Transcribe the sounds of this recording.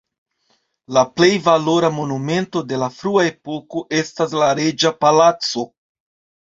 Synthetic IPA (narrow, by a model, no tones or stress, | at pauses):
laple̞jvalo̞ɾamo̞nume̞nto̞de̞lafɾuae̞po̞ko̞ʔe̞stas̬laɾe̞d͡ʒapalat͡so̞